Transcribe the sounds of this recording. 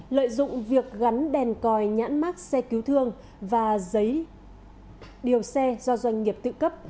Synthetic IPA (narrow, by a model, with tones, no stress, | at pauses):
lə̰ː˧˨jzʊ̰˧˨ŋ͡mvi˨˩ək̚ɣa˨˦nɗɛ˨˩nkɔ˨˩jɲa̰ː˧˥nmaː˦˥t̚sɛ˧ki˨˦wt̪ʰɨ˧əŋ | vaː˨˩zə˨˦j | ɗi˨˩əwsɛ˧zɔ˧zwa˧jŋ̟ŋi˨˩əp̚t̪ɨ̰˧˨kə˦˥p̚